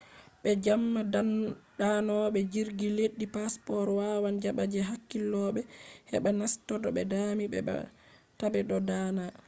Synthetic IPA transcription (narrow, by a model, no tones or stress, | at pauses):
ɓɛd͡ʒamːadandanɔɓɛd͡ʒiɾɡileɗːipaspɔɾwawand͡ʒaɓad͡ʒɛɦakːilːɔɓɛhɛ̰ɓɛnastɔdɔɓɛ̰damiɓɛ̰ɓa̰ | tabɛɗɔdana